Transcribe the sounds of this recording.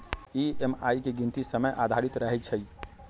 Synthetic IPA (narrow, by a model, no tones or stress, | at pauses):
iema̰jkeɡint̪isəməjʔad̪ʱaɾit̪ɾəɦɛt͡ʃʰəj